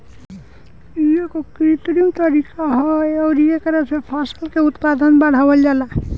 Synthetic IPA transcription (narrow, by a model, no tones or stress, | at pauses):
ijekokɾit̪ɾimt̪ɔɾikaɦɔjɔɾijekəɾesʰepʰasəlkeut̪pad̪ɔnbaɽ̤awəld͡ʒala